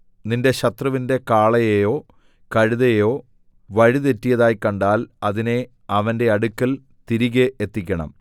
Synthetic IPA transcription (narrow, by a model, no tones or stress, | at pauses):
ninde̞ɕɐt̪rɐʋinde̞kaːɭɐjejo̞ː | kɐɻuðɐjjo̞ː | ʋɐɻiðe̞tːijɐðaːjkːɐɳɖaːlɐðine̞ | ɐʋɐnde̞ɐɽukːɐl | t̪iɾiɣɐʔet̪ːikʲːɐɳɐ̰m